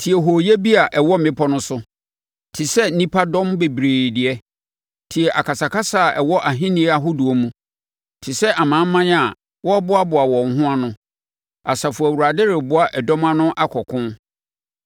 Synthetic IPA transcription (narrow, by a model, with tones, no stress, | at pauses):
tʰi˨ɛ˨ɦo˨je˦bi˦a˨ʔɛ˨wɔ˦m˨mɪ̃˦pʰɔ˦nʊ̃˦sʊ˦ | tʰɪ˨sɛ˦n̩˦nĩ˦pʰa˦dɔ̃˦mbe˨bɾeː˨dɪ˨ɛ˦ | tʰɪ˨ɛ˨ʔa˨kʰa˨sa˨ka˦sa˦˨ɛ˨wɔ˦ʔa˨ɦɪ̃˦nĩ˦a˦˨ɦʊ˦dʊ˨o˦mũ˦ | tʰɪ˨sɛ˦ʔa˨mãː˨˦m˦mːã˦n˦a˨ | wɔ˦bʊ˦a˦bʊ˨a˨wɔ̃˨ŋ̩˦ɦʊ̃˦a˦nʊ̃˦ | a˨sa˨fʊ˨a˨wu˨ɾa˨dɪ˦ɾɪ˨bʊ˦a˨ʔɛ˨dɔ̃˦mã˦nʊ̃˦ʔa˦kʰɔ˨kʰʊ̃˦n